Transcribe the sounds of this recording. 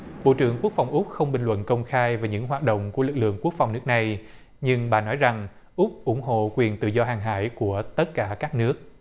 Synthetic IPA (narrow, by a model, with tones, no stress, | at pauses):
ɓo̰˧˨t͡ɕɨ˧˩əŋku˦˥ək̚fa˨˩wŋ͡mʔʊ˦˥k͡p̚xə˧wŋ͡mɓï˨˩ŋlwə̰˧˨nkə˧wŋ͡mxaː˧jvaː˨˩ɲɨ̰˧˥ŋɦwaː˨˩t̚ɗo̰˧˨wŋ͡mku˧˩əlɨ˨˩k̚lɨ̰˧˨əŋku˦˥ək̚fa˨˩wŋ͡mnɨ˦˥ək̚na˨˩j | ɲɨ˧ŋɓa̰ː˧˨nɔ˨˦jza˨˩ŋ | ʔʊ˦˥k͡p̚ʔʊ˧˩˦ŋ͡mɦo̰˧˨kwi˨˩ənt̪ɨ̰˧˨zɔ˧ɦaː˨˩ŋɦa̰ː˧˥jku˧˩ət̪ə˦˥t̚kaː˧˩kaː˦˥k̚nɨ˦˥ək̚